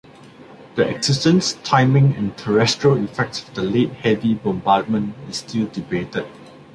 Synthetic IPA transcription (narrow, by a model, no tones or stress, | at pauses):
d̥əɛ̰ɡzɪstə̃nstʰãɪmɪ̃ŋɛ̰̃ntʰəɹɛstɹəlifɛk̚tsɔfdəlet̚hɛvibɔ̃mbad̚mə̃nɪstildibetəd̚